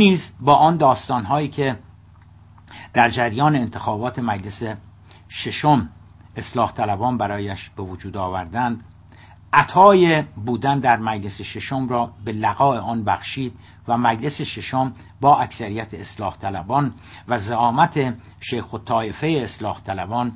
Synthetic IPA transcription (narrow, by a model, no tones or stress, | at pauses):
niːzbɒːʔɒːnd̪ɒːst̪ɒːnɦɒːiːcʰe̞ | d̪̥æɾd͡ʒæɾjɒːneːnt̪ʰexɒːbɒːt̪ʰe̞mæd͡ʒle̞se | ʃeʃom | e̞slɒːht̪ʰælæbɒːnbæɾɒːjæʃb̥e̞vod͡ʒuːd̪ɒːvæɾd̪ænd̪ | ʔæt̪ʰɒːjebuːd̪ænd̪æɾmæd͡ʒle̞seʃeʃomrɒːbe̞læɣɒːeʔɒːnbæxʃiːd̪̚ | væmæd͡ʒle̞seʃeʃom | bɒːæksæɾijæt̪ʰeːslɒːht̪ʰælæbɒːn | væzæɒːmæt̪ʰe̞ | ʃejxot̪ʰːɒːefe̞jeːslɒːht̪ʰælæbɒːn